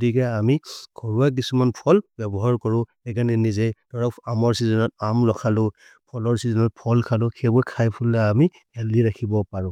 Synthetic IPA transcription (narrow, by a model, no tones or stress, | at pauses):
ɡɔtikɛamikʰɔɹuak̬isumanpʰɔlbɛbɔɦaɹkɔɹʊ̃ | ɛɡanɛnizɛtɔɹaamɔɹsizɔnɔt̚amɹɔkʰalʊ | pʰɔlɔɹsizɔnɔt̚pʰɔlkʰalʊkʰɛbɔkʰajpʰulːaami | ɛliɹakʰibɔpaɹʊ̃